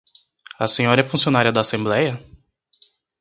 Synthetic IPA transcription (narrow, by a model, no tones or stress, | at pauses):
ɐsẽɲɔɾɐɛfũsionaɾiɐd̪aːsẽmblɛjɐ